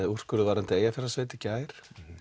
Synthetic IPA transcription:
ur̥kʏɾʏvaːɾant̪ɪeːjafɪɾasveːt̪ɪ̥caːjɾ̥

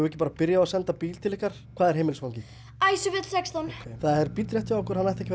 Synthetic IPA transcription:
ɣʏɛhcɪpaːɾapɪɾjaasɛnt̪apiːlt̪ʰɪlɪhkaɾ̥kʰvaːðɛɾ̥ɦeːjmɪlsfvawɲci | ajsʏvɪt̪l̥sɛkst̪ɔnθaðɛɾpit̪ɾjɛht̪jaɔhkʏɾ̥hanːajht̪ɛcɪ

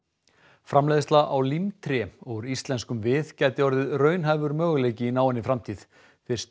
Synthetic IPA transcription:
fɾamleːjðɪst̪laʔawlimt̪ʰɾɛɔɣʏɾist̪lɛnskʏmvɪðcajt̪ɪɔɾðɪðrœːɥnɦajvʏɾmœːɣleːjcɪinaːwɛnːɪfɾamt̪ʰiːð̥ | θɪ̥s

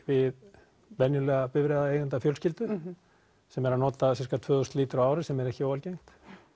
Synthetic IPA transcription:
vɪð | vɛnjʏlɛːɣapɪvɾɛːðaejɣʏnt̪afjœlscɪlt̪ʏ | sɛmɛɾanɔːt̪asɛskat̪ʰvœːðʏst̪liːt̪ʏɾaaːwɾɪsɛmɛɾɛhcɪowalcejŋ̥t̪

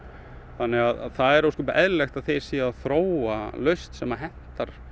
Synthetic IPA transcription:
θanːɛɣaða̰ðθaðɛɾowskʏmpaʔɛðlaxt̪aðθejɾ̥siaðθɾoːwalœɥst̪sɛmaɦɛn̥t̪aɾ̥

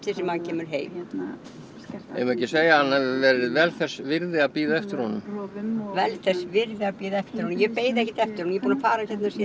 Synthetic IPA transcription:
θɛsɪmancʰɛːmʏɾ̥ɦeːjm | ḛjmɛcɪseːjaanːavɛɾɪvɛlθɛsvɪɾðɪapiːðɛft̪ɪɾhɔnʏmvɛlθɛsvɪɾðɪapiːðɛft̪ɪɾhɔnjɛpeːjðɛhcɪt̪ɛft̪ɪɾhɔnjɛpuːnafaːɾaçjɛt̪nasɛ

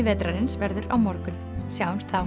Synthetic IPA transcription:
ɪvɛːt̪ɾaɾɪnsvɛɾðʏɾawmɔɾkʏn | sjaːwɪmst̪θa

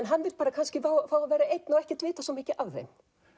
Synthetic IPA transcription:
nɦanːvɪlpaːɾakʰanscɪfaːwfaːwavɛːɾaejt̪nawɛhcɛt̪vɪːt̪asɔmɪːcɪʔavːḛjn

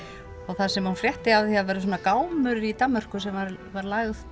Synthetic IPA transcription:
ɔɣθasɛmunfɾjɛht̪ɪavðçavɛːɾɪsoːnakaːwmʏɾɾit̪amːœr̥kʏsɛmvaɾvaɾlaːɣð

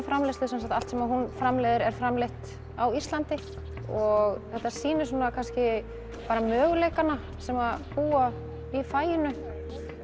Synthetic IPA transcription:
fɾamlest̪ɪsɛnsat̪alt̪sɛmaɦunfɾamleːðɪɾɛɾ̥fɾamleht̪ | awist̪lant̪ɪ | ɔɣθɛht̪ːasiːnʏsuːnakʰanscɪ | paːɾamœːɣleːjkana | sɛmapuːa | ifaːjɪnʏ

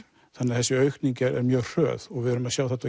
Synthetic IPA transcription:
θanːahɛsʏœɥkniŋcɪɾɛ̰ɾmjœːr̥œ̰ːðɔɣvɪœɾʏmaðɕjaːwθat̪a

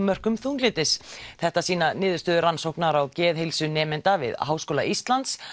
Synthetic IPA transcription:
mœr̥kʏmθuːŋklɪːt̪ɪsθɛht̪asiːnanɪːðʏst̪œːðʏɾransowknaɾawcɛːðɦejlsʏnɛːmɪnt̪avɪ̰ðɦaːwskoːla̰ʔist̪lant̪s

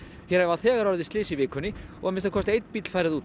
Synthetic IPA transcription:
çɛɾavaθɛːɣaɾɔɾðɪst̪lɪːsɪivɪːkʏnːɪɔ̰ɣamɪnst̪akɔst̪ejt̪npit̪l̥faːjɾɪðuːt̪

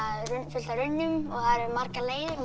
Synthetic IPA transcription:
aðʏfʏlt̪aɾʏnːʏmɔɣθaðɾɛɾmar̥kaleːjðʏɾ

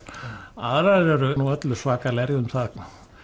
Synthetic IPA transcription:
a̰ðɾaɛɾʏnuœt̪lʏsvaːkalɛɾjʏmθað

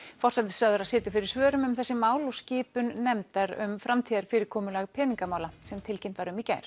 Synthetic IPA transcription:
fɔr̥sat̪ɪ̥sɾaðʏɾaðsɪːt̪ʏfɪɾɪɾ̥svœːɾʏmʏmθɛsːɪmaːwlɔscɪːpʏnːɛmt̪aɾʏ̰mfɾamt̪ʰiːðaɾ̥fɪːɾɪɾkʰɔːmʏlaɣpʰɛːniŋkamaːwlḁsɛmt̪ʰɪlcemnt̪vaɾʏmica̰ːjɾ̥

